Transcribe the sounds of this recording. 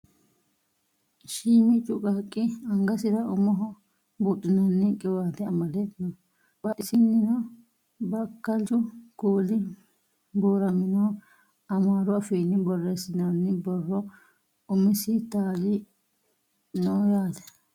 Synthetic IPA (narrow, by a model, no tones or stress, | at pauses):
ʃiːmɪt͡ʃʼʊkʼakʼːɪɐŋɡɐsɪɾɐʔʊmɔɦɔ | bʊtʼːɪnɐnːɪkʼɛwaːt̪ɛɐmɐlɛt̪ːɪnɔ | bɐʔɪsɪnːɪnɐ | bɐkːɐlt͡ʃʊkoːlɪ | boːɾɐmɪnoː | ɐmaːɾʊɐfeːnːɪbɔrːeːsɪnanːɪbɔrːɔ | ʊmɪsɪt̪aːlɪ | noːjaːt̪ɛ̥